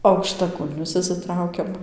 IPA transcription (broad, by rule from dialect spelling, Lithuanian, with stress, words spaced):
ɐʊkʃtɐˈkʊlʲnʲʊs ɪʃʲsʲɪˈtrɐʊkʲɛm